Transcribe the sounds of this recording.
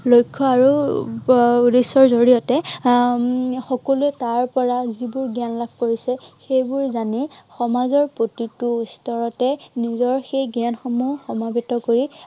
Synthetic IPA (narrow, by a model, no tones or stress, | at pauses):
lojkʰːɔaɹu | desɔɹzoɹijɔtɛ | xɔkɔluɛtaɹpɔɹazibʊɹɡianlab̚ʱkoɹisɛxejbʊɹzanixɔmazɔɹpotituːstɔɹɔtɛnizɔɹxejɡianxɔmuxɔmabetɔkoɹi